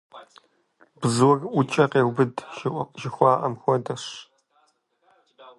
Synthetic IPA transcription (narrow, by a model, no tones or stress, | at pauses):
bzɨwɔrʔʷʊt͡ʃʼɐqeːwʷbɨdʒɪxʷɑːʔɐmxʷɔdɐɕ